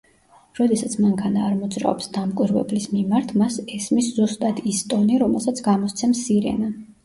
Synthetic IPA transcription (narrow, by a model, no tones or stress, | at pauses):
ɾɔd̪ɛsat̪sʰmaŋkʰʼanaːɾmɔd̪zɾa̰ɔpsd̪amkʼwiɾvɛ̰blismimaɾt̪ʰmasɛsmiszust̪ʼat̪ʰist̪ʼɔniɾɔmɛlˠsat̪sʰɡamɔst̪sʰɛmsiɾɛ̰na